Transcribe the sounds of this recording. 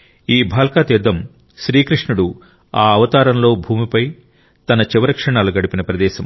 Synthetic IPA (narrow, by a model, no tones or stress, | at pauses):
iːbʱaːlkaːt̪id̪ːɐm | ʃɾiːkɾiʂɳuɽu | aːɐʋɐt̪aːɾɐmlo̞ːbʱuːmipɐj | t̪ɐnɐt͡ʃiʋɐɾɐkʂɐɳaːluɡɐɽupinɐpɾɐd̪ɛːʃɐm